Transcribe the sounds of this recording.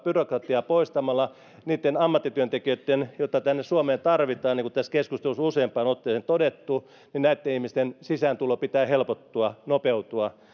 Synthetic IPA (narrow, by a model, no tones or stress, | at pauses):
pyrokrɑt̪iɑpoist̪ɑmɑlːɑ | niːt̪ːenɑmːɑt̪ːit̪yønt̪ekiøt̪ːenjot̪ːˑɑt̪ænːessuomeːnt̪ɑrʋit̪ɑːniːŋkutt̪æskeskust̪elususeːmpˑɑːnot̪ːeːˑsent̪odet̪ːu | ninnæit̪ːenihmist̪ensisænt̪ulopit̪æːhelpot̪ːuɑnopeut̪uɑ